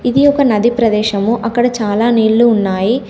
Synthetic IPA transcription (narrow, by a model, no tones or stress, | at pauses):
id̪iɔkɐnɐd̪ipɾɐd̪ɛːʃɐmuʔɐkːɐɽɐt͡ʃaːlaːniːɭːuːnːaːji